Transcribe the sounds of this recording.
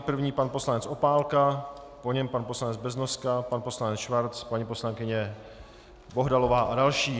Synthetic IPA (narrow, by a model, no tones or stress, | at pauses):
pr̩vɲiːpanpo̞slaɲɛt͡sopaːlka | poɲɛmpanpo̞slaɲɛd͡zbɛznoskapanpo̞slaɲɛt͡sʃvaɾt͡spaɲipo̞slaŋkɪɲɛ | bo̞ɦdalo̞vaːʔadalʃiː